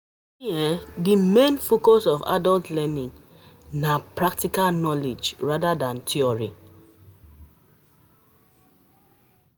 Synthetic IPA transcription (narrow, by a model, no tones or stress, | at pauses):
iɛdimẽnfokɔsɔfa̰dɔltlɛnĩŋ | napɹak̚tikalnɔled͡ʒɹadadãntʰiɔɹi